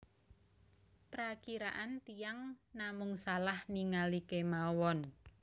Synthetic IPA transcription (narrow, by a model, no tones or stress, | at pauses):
pɾakiɾaʔant̪ijaŋnamʊŋsalahniŋalikemawɔn